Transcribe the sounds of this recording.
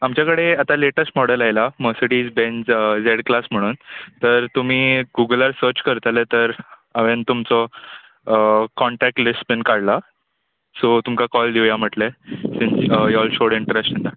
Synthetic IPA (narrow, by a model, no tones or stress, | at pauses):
amt͡ɕjakəɽeat̪aleʈəsʈmɔɽəlajlaməsəʈiːd͡zbẽnd͡zd͡zeɽklasm̤əɽ̃uːnt̪əɾt̪um̤iːɡuɡəlaɾsəɾt͡ɕkəɾt̪alet̪əɾaʋent̪umt͡sɔ | kɔɳʈæk̚ʈlisʈbenkaɽla | sot̪umkakɔld̪iwjam̤əʈlesĩnsjɔlɕoɽiɳʈəɾækʂənd̪a